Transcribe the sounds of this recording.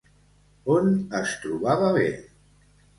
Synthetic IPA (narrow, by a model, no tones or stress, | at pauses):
onəst̪ɾuβaβaβḛ